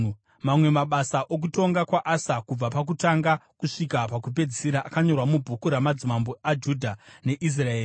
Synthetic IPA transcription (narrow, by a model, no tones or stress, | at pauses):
mamwe̞maɓasaʔo̞k̬uto̞ŋɡakwaʔasakub͡vapak̬utaŋɡakuʂikapakup̬e̞d͡ziseɾaʔakaɲo̞rwamubʱukuɾamad͡zimambo̞ad͡ʒudʱane̞ʔis̬raeːri